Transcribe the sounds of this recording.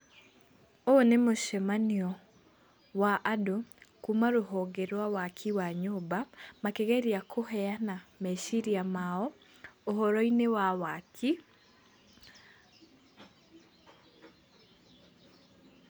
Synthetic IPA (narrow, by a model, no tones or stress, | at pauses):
oonemoʃemaniɔ | waʔadokumaɾoɦɔɡeɾwawakʰiwaɲobamakeɣeɾiakʰohɛanameʃiɾiamaɔː | ɦɔɾɔinewawakʰi